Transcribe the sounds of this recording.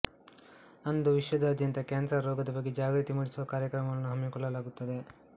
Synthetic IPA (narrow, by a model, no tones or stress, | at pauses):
ɐnd̪uʋiʃʋɐd̪ɐːd̪ʱjɐnt̪ɐkeːnsɐɾːɔːɡɐd̪ɐbɐɡːed͡ʒaːɡɾit̪imuːɽisuʋɐkaːɾjɐkɾɐmɐʋɐnːuɦɐmːikɔɭːɐlaːɡut̪ːɐd̪e̞